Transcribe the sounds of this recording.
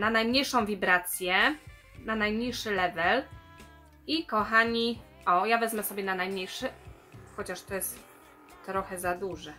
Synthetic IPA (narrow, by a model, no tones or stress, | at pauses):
nanajmɲejʂɔ̃w̃vʲibɾat̪sʲjɛ | nanajmɲejʂɘlɛvɛl | ikɔxaɲi | ʔɔjavɛzmɛsɔbʲjɛnanajmɲejʂɘ | xɔt͡ɕaʂt̪ɔjɛst̪ː | ɾɔxɛzad̪uʐɛ